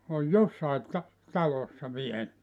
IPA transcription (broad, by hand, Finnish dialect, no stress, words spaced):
oj josːɑit tɑ tɑlosːɑ ʋiel